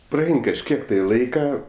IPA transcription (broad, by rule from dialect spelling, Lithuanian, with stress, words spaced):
prɐˈɛɪn kɐʃʲˈkʲiɛk tɐɪ ˈlˠɐɪkɐ